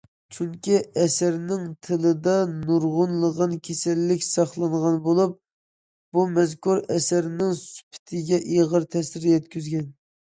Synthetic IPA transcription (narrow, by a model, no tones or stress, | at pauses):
t͡ʃʰyŋkʲiɛsæɾnɪŋt̪ʰɨlˠɨd̪ɑnuɾʁʊnlˠəʁɑnkʲʰesɛlːɪkʲsɑχlˠɑɴʁɑnbolˠup̚ | b̥umɛzkuɾɛsæɾnɪŋsy̥pʰɪ̥t̪ʰɪɡʲɛʔeʁəɾt̪ʰɛsɪɾjɛt̪kʲyzɡʲɛn